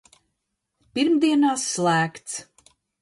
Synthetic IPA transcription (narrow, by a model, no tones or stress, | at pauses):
piɾmd̪iɛnaːsːlˠæːkt̪s